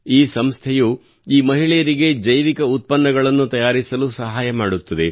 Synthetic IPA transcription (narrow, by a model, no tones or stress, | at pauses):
iːsɐmst̪ʰɛju | iːmɐɦiɭɛjɐɾiɡe̞d͡ʒɐjʋikɐut̪̚pɐnːɐɡɐɭɐnːut̪ɐjaːɾisɐlusɐɦaːjɐmaːɽut̪ːɐd̪e̞